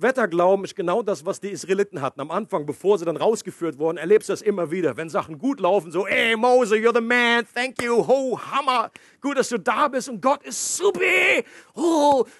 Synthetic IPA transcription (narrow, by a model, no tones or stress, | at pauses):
vɛtɐɡlaʊbm̩ɪʃɡ̥ənaʊdasv̥asd̥iːisʁaelitn̩ɦatn̩amʔanfaŋbəfoːɐziːdanʁaʊsɡ̥əfyːɐtv̥ʊɐdn̩ɛɐleːpstud̥asʔɪmɐviːɾɐvɛnzaχn̩ɡuːtlaʊfn̩zoːʔɛɪmoʊzəjuːɐðəmænθɛŋkjuɦoʊhamɐ | ɡ̥uːt̚d̥asd̥uːdaːbɪstʊnt̚ɡ̥ɔtɪsz̥upɐho